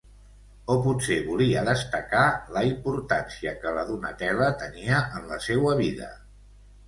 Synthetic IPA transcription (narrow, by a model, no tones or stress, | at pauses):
opuseβuliəðəst̪əkaləimpuɾt̪ansiəkələðunət̪ɛrət̪əniəʔənləsewəβiðə̰